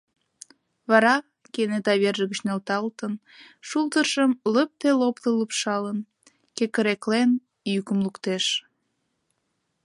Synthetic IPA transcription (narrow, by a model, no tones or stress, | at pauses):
βɑɾɑ | kenet̪ɑβerʒəɣət͡ɕnelt̪ɑlt̪ən | ʃult̪əʃəmləp̚t̪elopt̪ələpʃɑlən | kekəɾeklen | jykəmlukt̪eʃ